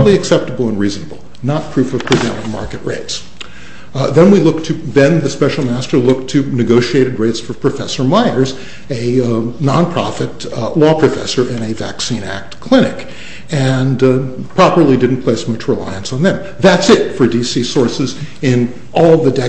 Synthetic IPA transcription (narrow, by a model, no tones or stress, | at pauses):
lˠiɨksɛp̚təbl̩ˠə̃nɹiznəbl̩ˠ | nət̚pʰɹ̥ʉfʌv̥pʰɹ̥ɨvɛ̃ɾ̃ɪ̃ŋmɑ̰ɹkɨʔ̚ɹḛɪts | ðɨ̃nwilʊk̚tʰɨðɨ̃nðɨspɛʃl̩ˠmæstə˞lʊk̚tʰɨnɨɡoʊʃieɪɾɨd̚ɹeɪtsfə˞pʰɹ̥ɨfɛsə˞maɪə˞z | ɨnɑ̃npʰɹ̥ɑ̰fɨt̚ | lɔpʰɹ̥ɨfɛ̰sə˞ʔɨ̃nɨvæ̰ksĩnæ̰k̚tkʰl̥ɪ̃ɾ̃ɨk | ɨ̃npʰɹ̥ɑpə˞lˠidɪdⁿn̩pʰl̥eɪsmʌt͡ʃɹɨla̰ɪɨ̃nsn̩ðɨ̃m | ðætsɪtfə˞disisɔɹsɨzɪ̃n | ʔɔlˠðɨdɛ